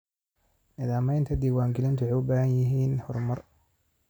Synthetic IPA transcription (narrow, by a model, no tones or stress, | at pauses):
nɪðaːmɛjnt̪ʰɐd̪iːwaːŋɡɪlɪnt̪ʰʊħʊbaːhɐnjɪɦiːnhɔrmɐr